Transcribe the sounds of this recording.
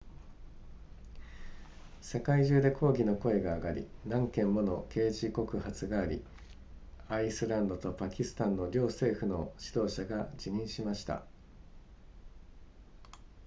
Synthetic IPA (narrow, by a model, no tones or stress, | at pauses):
se̞kaiʑɨːd̪e̞kʰo̞ːɡʲino̞ko̞e̞ɡaːɡaɾʲḭnãŋkẽ̞mːo̞no̞ke̞ːʑiko̞kɯ̟hat͡sɨɡaːɾʲḭ | aisɨɾãnd̪o̞t̪o̞pakʲisɨ̥t̪ãnːo̞ɾʲo̞ːse̞ːɸɯ̟no̞ɕid̪o̞ːɕaɡad͡ʑiɲ̟ĩɰ̃ɕimaɕi̥t̪a̰